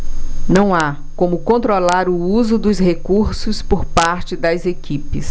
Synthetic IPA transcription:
nɐ̃w̃a | kõmʊkõnt̪ɾolaɾʊuzʊd̪ʊshekuɾsʊspoɾpaɾt͡ʃɪd̪ɐzekipɪs

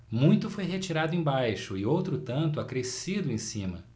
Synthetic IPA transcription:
mũj̃t̪ʊfojɦet͡ʃiɾad̪ʊẽbajʃʊɪowt̪ɾʊt̪ɐ̃nt̪ʊakɾesid̪ʊẽsĩmɐ̰

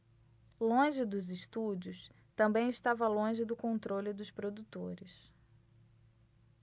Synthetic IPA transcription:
lõʒɪd̪ʊzɪʃt̪ud͡ʒʊs | t̪ɐ̃mbẽj̃ɪʃt̪avɐlõʒɪd̪ʊkõnt̪ɾolɪd̪ʊspɾod̪ut̪oɾɪs

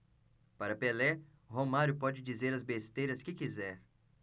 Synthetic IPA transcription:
paɾɐpelɛ | ɦomaɾjʊpɔd͡ʒɪd͡ʒizeɾɐzbest̪ejɾɐskɪkizɛɾ

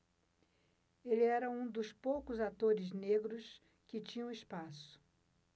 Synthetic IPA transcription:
elɪɛɾɐũd̪ʊspowkʊzat̪oɾɪzneɡɾʊs | kɪt͡ʃĩɲɐ̃ɪspasʊ̥

